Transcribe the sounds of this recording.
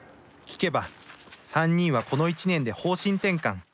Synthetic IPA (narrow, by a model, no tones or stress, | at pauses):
kʲi̥ke̞basãɲ̟ːĩɰ̃βako̞no̞it͡ɕinẽ̞nd̪e̞ho̞ːɕĩnt̪ẽ̞ŋkãŋ